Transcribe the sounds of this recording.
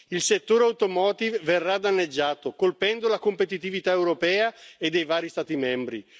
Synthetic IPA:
ilset̪ːoːɾeawt̪omɔːt̪ivverːad̪anːed͡ʒːaːt̪okolpɛnd̪olakompet̪it̪ivit̪aewɾopɛːaed̪ːejvaːɾist̪aːt̪imɛmbɾi

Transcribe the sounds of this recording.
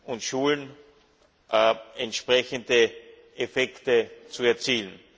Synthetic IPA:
ʊntʃuːln | ɛntʃpʁ̥ɛçəndə | ʔefɛktət͡suɛɐt͡siːln

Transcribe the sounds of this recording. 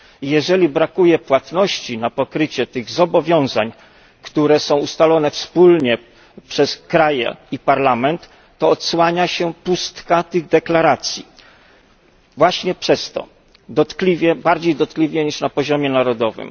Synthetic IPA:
ijɛʐɛlʲibɾakujɛpwat̪nɔɕt͡ɕinapɔkɾɘt͡ɕɛt̪ɘɣzɔbɔvʲjɔ̃w̃zaɲ | kt̪uɾɛsɔ̃w̃ust̪alɔnɛfspulɲɛ | pʂɛskɾajɛ̰ipaɾlamɛnt̪ː | ɔɔt̪swaɲaɕɛpust̪kat̪ɘɣd̪ɛklaɾat̪sʲji | vwaɕɲɛpʂɛst̪ɔ̰ | d̪ɔt̪klʲivʲjɛbaɾd͡ʑejd̪ɔt̪̚klʲivʲɛɲiʂnapɔʑɔmʲjɛnaɾɔd̪ɔvɘ̰m

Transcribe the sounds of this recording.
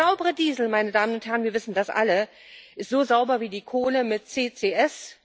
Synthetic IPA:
aʊbəʁədiːzl̩maɪnədaːmənʊnthɛɐʁənviɐvɪsn̩dasʔa̰lə | ʔɪstz̥oːzaʊbɐviːdiːkʰoːnəmɪt̚t͡seːt͡seːʔɛs

